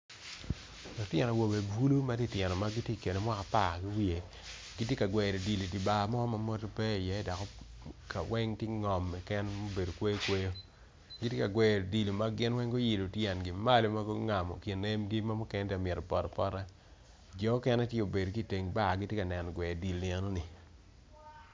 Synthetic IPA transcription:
lɔ˨tjɛ˨nɔ˨wo˨be˨bu˦lu˦ma˦di˦˨tjɛ˨nɔ˨ma˦ɡi˦tje˦˨ke˨ne˨mwa˦ka˨pa˦˨ki˦wi˦e˨ | ɡi˦tje˦ka˨ɡwɛ˨ɾo˨di˨li˨ti˨ba˨mɔ˦ma˨mo˦to˦pɛ˦i˨jɛ˦dɔ˨kɔ˦ka˨wɛ˦ŋte˦ŋɔ˨mɛ˨kɛ˦nmo˦be˨do˨kwe˦jo˦kwe˦jo˦ | ɡi˦tje˦ka˨ɡwɛ˨di˨lo˨ma˦ɡɪ˦nwɛ˦ŋɡo˦ji˨lo˨tjɛ˨nɡɪ˨ma˦lo˨˦ma˦ɡo˦ŋa˨mɔ̰˨kɪ˨ne˦mdje˦ma˦mɔ˦kɛ˦ndɛ˦a˨mɛ˨ɾɔ˨pɔ˨ɾɔ˨pɔ˦ɾa˦ | d͡ʒɔ˨˦kɛ˦nɛ˦tje˦o˨be˨do˨ki˦˨te˨ŋba˦˨ɡɪ˦tje˦ka˨nɛ˨n˨ɡwɛ˨di˨li˨ɛ˦no˦nɪ˨

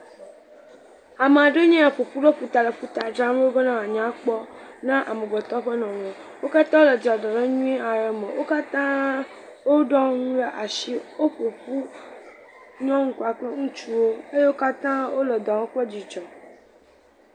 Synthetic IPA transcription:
a˨me˨a˨ɖe˦ɲẽ˦a˨ɸo˨ɸu˦ɖɔ˦ɸu˨t̪a˨le˨ɸu˦t̪a˨d͡ʒɾa˦me˦o˦be˦nã˦a˨ɲã˦k͡pɔ˦nã˦ʔa˨me˨ɡ͡bɔ˨t̪ɔ˦ɸe˦nɔ̃˨wẽ˨ | wo˦ka˦t̪ã˦wo˦le˨d͡ʒa˨ɖɔ˨ɖe˦ɲũ˦i˦a˨ɾɛ˨mẽ˨wʔo˦ka˦t̪ã˦ | wo˦ɖɔ̃˦ŋũ˦le˦ʔa˨ʃi˦wo˦ɸo˨ɸu˦ | ɲɔ̃˦ŋũ˦ku˨a˨k͡ple˦ŋũ˦t͡ʃu˦wo˦e˦je˦wo˦ka˦t̪ã˦wo˦lɛ˨d̪ɔ̃˨wõ˦k͡ple˦d͡ʑi˨d͡ʒɔ˨

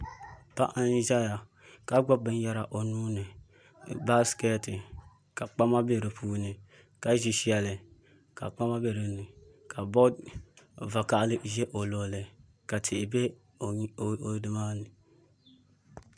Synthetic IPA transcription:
pa˦ʔa˦n˦ʒa˦ja˨ | ka˦ɡ͡bɔ˦bɨ˦n˦ja˦ɾa˨ʔo˨nuː˦nɨ˨ | ba˦skɛ˦tɨ˨ | ka˨k͡pa˦ma˦be˦˨ɾɨ˨pʰuː˦nɨ˨ | ka˨ʒi˨ʃi˦a˨lɨ˨ | ka˨k͡pa˦ma˦be˦ɾɨ˨nɨ˨ka˨bo˦ | va˨ka˦ʔlɨ˦ʔʒe˦ʔo˨lo˨lɨ˨ | ka˨tʰe˨be˦˨˦ | o˨dɨ˦ma˦nɨ˨

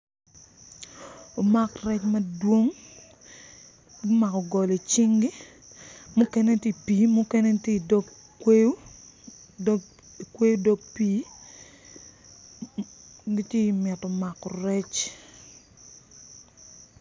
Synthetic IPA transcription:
o˨ma˦krɛ˦t͡ʃmɐ˦dwo˦ŋ˦ | ma˨kɔ˨ɡɔ˨li˨t͡ʃɪ˦ŋɡi˦ | mʊ˦kɛ˦ne˦tje˦˨piː˨˦mu˦kɛ˦ne˦tje˦˨dɔ˦ | kwe˦j | i˨kwe˦jo˦do˦ɡpiː˦ | ɡi˦tje˦i˨mɛ˨tɔ˨ma˨kːɔ˨rɛ˦t͡ʃ

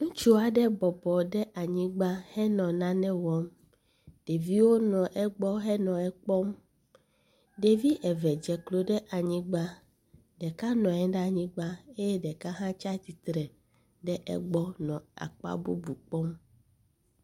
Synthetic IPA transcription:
ŋũ˦t͡ʃu˦a˨ɖɛ˦bɔ˨bɔ˨ɖɛ˦ʔa˨ɲĩ˦ɡ͡ba˦hɛ˦nɔ̃˨nã˦nɛ̃˦wɔ˦m | ɖ̥e˨vi˦wo˦nɔ̃˨ʔɛ˦ɡ͡bɔ˦ɦɛ˦nɔ̃˨ɛ˦k͡pɔ˦m | ɖe˨vi˦ʔɛ˨vɛ˨d͡ʒɛ˨klo˦ɖɛ˦ʔa˨ɲĩ˦ɡ͡ba˦ | ɖɛ˨ka˦nɔ̃˨ɛ˦ɖɲĩ˦ɡ͡ba˦e˦jɛ˦ɖɛ˨ka˦ɦã˦t͡ʃa˦t̪i˨t̪ɾɛ˨ | ɖɛ˦ʔɛ̰˦ɡ͡bɔ˦nɔ̃˨a̰˨k͡pa̰˦bṵ˦bu˨k͡pɔ˦m

